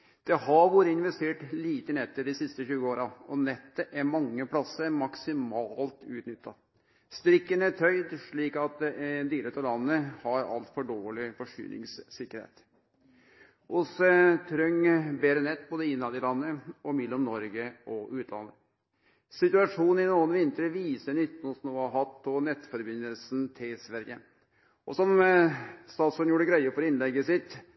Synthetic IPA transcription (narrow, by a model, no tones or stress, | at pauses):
d̪̥ɛhɑɾʋoːɾəɪnʋɛst̪eːʈliːt̪ənɛt̪ːəd̪ɪsɪst̪əɕʉːəoːɾɑɔnɛt̪ːəʔæɾmɑŋːəpʰlɑsːəɾmɑksɪmɑːlt̪ʉːt̪nʏt̪ʰːɑ | st̪ɾɪkːənæʈʰœʏd̪ʂɭiːkɑt̪̚d̪ɛʔɛd̪yːɾət̪ɔlɑnːəhɑɾɑ̰lt̪fɔɖoːɭɪfɔʂy̰ːnɪ̰ŋssɪkːəɾhḛːt̪ | ʔʊsət̪ʰɾœŋbeːɾənɛt̪̚ːboːd̪əɪnːɑd̪ɪlɑnːəɔmɛlːɔmnɔɾɡəʔɔʔʉːt̪ʰlɑ̰nːə | sɪt̪ʉɑʂuːn̩ɪnuːənʋɪnt̪əɾʋiːsənʏt̪ːɔsnuːɑɦɑt̪̚pʰɔnɛt̪ːfɔɾbɪnːəlsn̩t̪ʰɪlsʋæɾjə | ʔɔsɔm | st̪ɑːt̪sœnjuːɖəɡɾæɪəfɔɾɪnlɛɡːəsɪt̪